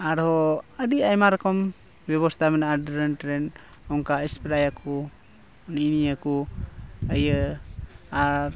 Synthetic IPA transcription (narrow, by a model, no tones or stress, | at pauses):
aɾhɔadiajmaɾkɔm | bɔβɔst̪amɛnaadɾəntɾɛn | ɔŋkaɛspiɾajakʰu | niniaku | ajə | aɾ